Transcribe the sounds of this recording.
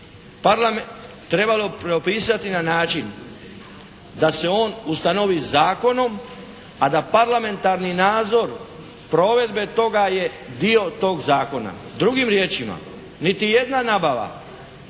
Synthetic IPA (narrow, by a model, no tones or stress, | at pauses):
paɾlame | t̪ɾe̞balo̞pɾeopiːsat̪inanaːt͡ʃin | d̪ase̞o̞ːnust̪ano̞ʋizaːko̞no̞m | ad̪apaɾlame̞nt̪aɾninaːd̪zo̞ɾ | pɾo̞ːʋe̞d̪be̞t̪o̞ɡaje̞ | d̪io̞t̪o̞ːɡzaːko̞na̰ | d̪ɾuɡimɾje̞ːt͡ʃima̰ | nit̪ije̞d̪nanaːbaʋa̰